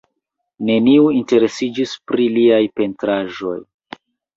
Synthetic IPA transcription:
ne̞niuinte̞ɾe̞sid͡ʒispɾiliajpe̞ntɾaʒo̞̰j

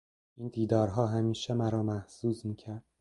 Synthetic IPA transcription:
iːnd̪iːd̪ɒːɾɦɒːɦæmiːʃemæɾɒːmæhsuːzmiːcʰæɾd̪̥̚

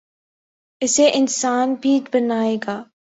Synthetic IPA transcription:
ɪseʔɪnsaːnbʱiːd͡ʒbənaːeːɡaː

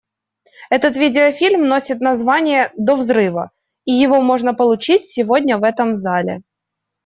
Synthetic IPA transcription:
ɛt̪ət̪vʲidʲɪəfʲilʲmno̞sʲɪt̪nɐzvanʲɪjəd̪ovzɾɨvə̰ | ijɪvo̞mo̞ʐnəpəlˠʊt͡ɕitʲsʲɪvo̞dʲnʲəvɛt̪əmzalʲɪ̰

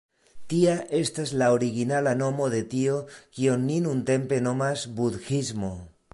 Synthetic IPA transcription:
tiaʔe̞stazlaoɾiɡinalano̞mo̞ðe̞tio̞kionːinunte̞mpe̞no̞mazbud̪xizmo̞

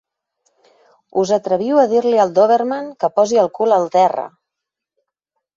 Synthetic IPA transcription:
uzət̪ɾəβ̞iwəðiɾliəlˠd̪oβeɾrmaŋkəpɔziəlˠkuləlˠt̪ɛrə̰

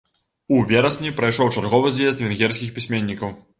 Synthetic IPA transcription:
uvʲɛɾɐsʲnʲipɾɐjʂɔwt͡ʂarɣɔvɨzjʲɛzt̪vʲɛnɣʲɛrsʲkʲixpʲisʲmʲenʲːikɐw

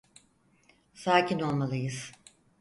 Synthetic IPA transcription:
saːcʰino̞lˠmalˠɯjɯz̥

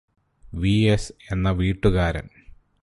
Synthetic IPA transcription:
ʋiese̞nːɐʋiːʈːuɣaːɾɐ̰n

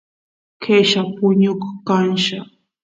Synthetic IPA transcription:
kʰeʃapʊɲʊkkanʃa

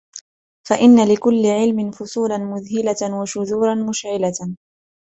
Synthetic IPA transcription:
faʔɪnːalɪkʊlːɪʕɪlmɪnfʊsˤuːlanmʊðhɪlawaʃʊðuːɾˤɑnmʊʃʕɪla

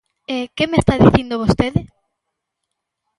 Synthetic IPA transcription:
ekemest̪aðiθind̪oβ̞ost̪eðɪ

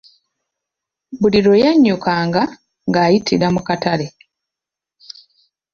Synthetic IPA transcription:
buliɾo̞jaɲːukaːŋɡa | ŋɡaːjitʰiɾamukatale

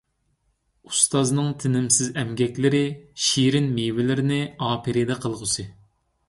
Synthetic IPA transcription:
ust̪ɑznɨŋt̪ʰɪnɪmsɪzɛmɡʲɛkʲlɪɾɪʃiɾɪnmewɪlɪɾɪnɪɑːpʰiɾid̪ɛqʰəlˠʁʊsɨ

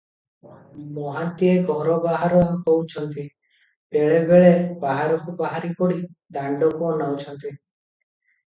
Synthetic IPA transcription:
mɔɦant̪ieɡʱɔɾɔbaɦaɾɔkowt͡ʃʰɔnt̪i | beɭebeɭebaɦaɾɔkubaɦaɾipɔɽid̪aɳɖɔkuɔnawt͡ʃʰɔnt̪i

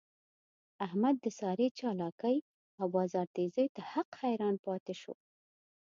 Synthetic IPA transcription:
ahmad̪ːəsɑɾet͡ʃɑlɑkəj | awbɑzɑɾt̪ezəjt̪ahaqhajɾɑnpɑt̪ɪʃo̰

